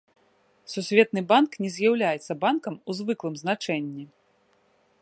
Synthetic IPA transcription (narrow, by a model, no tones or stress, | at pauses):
susʲvʲɛt̪̚nɨbanknʲɛzʲjawlʲajɛt̪sːɐbankɐmuzvɨklˠɨmznat͡ʂɛnʲːi